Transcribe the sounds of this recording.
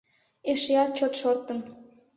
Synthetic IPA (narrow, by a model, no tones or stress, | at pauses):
eʃeɑtt͡ɕot̪ʃort̪ə̆n